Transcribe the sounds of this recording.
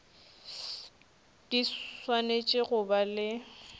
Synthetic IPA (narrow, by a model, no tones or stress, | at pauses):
d̥iswanet͡ʃʼɪɣʊbalɪ